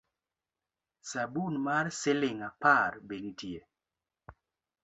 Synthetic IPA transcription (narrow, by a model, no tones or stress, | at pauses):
sabunmaɾsɪlɪŋapaɾbeŋtje